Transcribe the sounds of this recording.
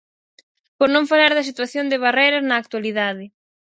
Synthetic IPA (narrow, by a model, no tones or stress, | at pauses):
poɾnõŋfalaɾðɐsit̪waθjond̪ɪβ̞arejɾɐznɐːk̚t̪waliðaðɪ